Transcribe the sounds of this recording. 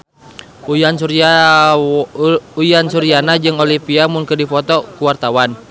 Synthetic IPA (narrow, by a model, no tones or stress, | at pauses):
ujansua | ujansuɾianad͡ʒɨŋolipiamʊnkədifɔt̪ɔkuwart̪awan